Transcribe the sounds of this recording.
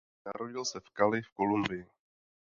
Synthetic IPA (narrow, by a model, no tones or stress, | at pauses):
naɾoɟɪlsɛfkalɪfkolumbɪjɪ